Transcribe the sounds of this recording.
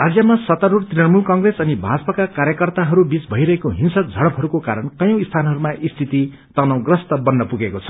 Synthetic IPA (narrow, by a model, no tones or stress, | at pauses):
rad͡zjʌmasʌt̪ʌɾurt̪rinʌnmulkʌŋɡresʌnibʱad͡zʌpakakaɾjʌkʌrt̪aɦʌɾubit͡sbʱʌiɾʌɦekoɦinsʌk̚d͡zʱʌɽʌpʰɦʌɾukokaɾʌnkʌjʌ̃w̃ist̪ʰanɦʌɾumaʔist̪ʰit̪i | t̪ʌnʌw̃ɡrʌst̪ʌbʌnːʌpuɡekot͡sʰʌ̥